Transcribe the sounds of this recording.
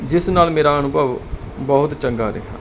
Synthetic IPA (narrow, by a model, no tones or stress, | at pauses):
d͡ʒɪsnaːlmeːɾaːənʊbəʋ | bɔːʊt̪t͡ʃəŋɡaːɾɪ̰ɦa̰ː